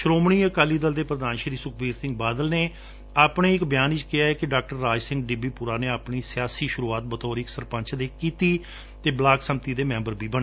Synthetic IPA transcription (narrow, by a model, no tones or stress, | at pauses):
ʃɾoːmɳiːəkaːliːd̪əld̪eːpɾəd̪aːnʃɾiːsʊk̚ʰbeːɾsɪ̃ŋɡ̚baːd̪əlneː | aːpɳeːɪkbɪjaːnɪt͡ʃkɪjaːɛːkɪɖaːk̚ʈəɾːaːd͡ʒsɪ̃ŋɡɖɪbiːpʊɾaːneːaːpɳiːsɪjaːsiːʃʊɾuːaːt̪̚bət̪ɔːɾiːksəɾpə̃nt͡ʃʰd̪eːkiːt̪iː | t̪eːblaːksəmt̪iːd̪eːmɛ̃ːmbəɾbiːbəɳ̃eː